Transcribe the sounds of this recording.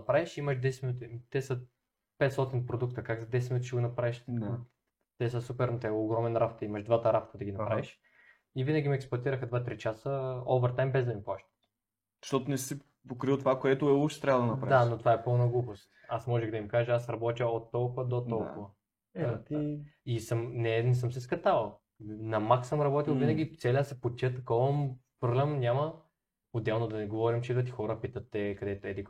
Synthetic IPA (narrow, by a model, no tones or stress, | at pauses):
ɐpɾaviʃiməʃd̪ɛsɛt̪minut̪ʲit̪ɛsə | pɛt̪st̪ɔt̪inpɾod̪ukt̪əkakzɐd̪ɛsɛt̪minut̪iʃiɡonɐpɾaɛʃt̪ | t̪ɛsəsupɛɾnot̪ɛoɡɾɔmɛnɾafo̥t̪imɐʃd̪vat̪əɾafot̪əd̪ɐɡʲinɐpɾavɛʃ | ivinɐɡʲimiɛksplˠɐt̪iɾəxəd̪vat̪ɾit͡ʃasəɔvəɾt̪ajmbɛzd̪ɐimplˠaʃt̪ə̥t̪ | zɐʃt̪ɔt̪onɛsi | pokɾilˠt̪ovakoɛt̪ʊɛlupʃt̪ɛ̥t̪ɾʲavəd̪ɐnɐppɾavd̪anot̪ovaɛpɤlˠnɐɡlˠupost̪asmɔʒɛɣd̪ɐimkaʒɛasɾɐbɔt̪ʲəot̪ːɔlˠkʊvɐd̪ot̪ːɔlˠkʊvɐ | isəmnɛnɛsəmsɛskɐt̪avɐlˠ | nɐmaksəmɾɐbɔt̪ilˠvinɐɡʲit̪sɛlʲəsɛpot͡ʃʲɛt̪ɐkɔəmpɾoɡlɛmnʲamɐ | od̪ɛlˠnod̪ɐnɛɡovɔɾimt͡ʃɛid̪vɐt̪ixɔɾəpit̪ət̪ːɛkɐd̪ɛt̪oɛd̪i